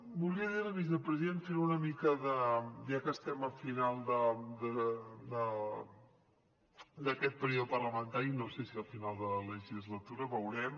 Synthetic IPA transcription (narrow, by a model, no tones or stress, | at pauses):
buliəðiɾəβizðəpɾəziðenfeɾunəmikəðəʒakəst̪ɛməlfinalˠd̪əd̪əd̪ə | d̪əkɛt̪̚pəɾioðpərləmənt̪aɾinowsesiəlfinalˠd̪ələʒizlət̪uɾəβəwɾɛm